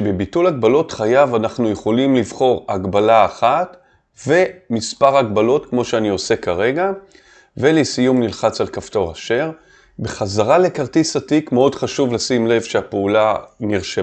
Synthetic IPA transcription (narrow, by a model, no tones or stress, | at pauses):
ʃebebitulaɡbalo̞tχajavanaχnujeχo̞limlivχo̞ʁaɡbalaːχat | ve̞mispaʁaɡbalo̞tkmo̞ʃeanio̞se̞kaʁe̞ɡa | velesijumnilχat͡salkafto̞ʁaʃe̞ʁ | be̞χazaʁale̞kaʁtisatikmeo̞dχaʃuvlasimle̞vʃeapeulaniʁʃe